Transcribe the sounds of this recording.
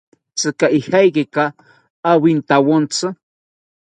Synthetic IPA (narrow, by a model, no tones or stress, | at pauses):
t͡sɨkaʔihajkekaː | wint̪awont͡sɨ